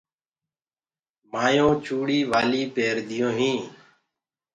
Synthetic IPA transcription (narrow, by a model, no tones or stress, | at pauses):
maːjõːt͡ʃʰuːɽiːʋaːliːpeːɾd̪ɪjõːɦĩː